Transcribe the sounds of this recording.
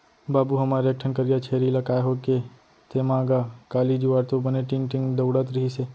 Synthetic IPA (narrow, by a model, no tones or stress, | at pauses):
baːbuɦɐmaːɾeɐk̚ʈʰənkəɾijat͡ʃʰeːɾilɐkaːeɦoːke | t̪emãːɡakaːlid͡ʒuʋaːɾt̪obɐneʈɪ̃ŋʈɪ̃ŋɡd̪ɐʊɽət̪ɾəɦise